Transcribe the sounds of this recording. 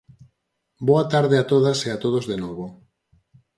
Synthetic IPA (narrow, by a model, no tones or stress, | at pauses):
boat̪aɾðeat̪oðaseat̪oð̞ozðenoβo